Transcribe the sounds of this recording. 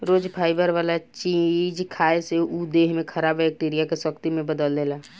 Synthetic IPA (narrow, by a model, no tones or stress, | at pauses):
ɾoːd͡ʒpʰaːɪbəɾʋalat͡ʃĩd͡ʒkʰaeseud̪eɦmẽkʰəɾabbɛk̚ʈiɾijakesəkt̪imẽbəd̪əlːela